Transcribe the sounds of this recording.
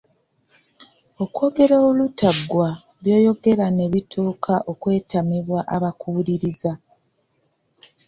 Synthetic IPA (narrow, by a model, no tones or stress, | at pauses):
o̞kwo̞ːɡe̞ɾoːlutaɡwa | βjo̞ːjo̞ɡe̞ɾane̞βitʰuːkʰaʔo̞kwe̞ːtamiβwaʔaβakʰuɾiɾiza